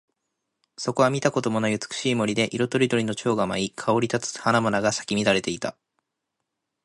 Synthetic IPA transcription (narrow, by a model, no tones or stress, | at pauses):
so̞ko̞βamʲit̪ako̞d̪o̞mo̞nojɯ̟t͡sɨ̥kɯ̟̥ɕiːmo̞ɾʲid̪e̞ʔiɾo̞t̪o̞ɾʲid̪o̞ɾʲino̞t͡ɕo̞ːɡamaikʰao̞ɾʲit̪at͡sɨ̥hanamanaɡasḁkʲimʲid̪aɾe̞t̪e̞it̪a̰